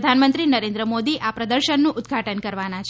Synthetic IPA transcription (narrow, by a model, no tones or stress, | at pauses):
d̪ʱanmənt̪ɾinəɾẽnd̪ɾəmod̪iʔapɾəd̪əɾʃənːũʔʊd̪̚ɡʱaʈənkəɾʋanat͡ʃʰ